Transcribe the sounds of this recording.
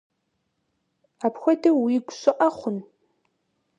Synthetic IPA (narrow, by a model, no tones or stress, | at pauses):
aːpxʷɔdɐwiːɡʷɕʼɨqʼɐχʷʊn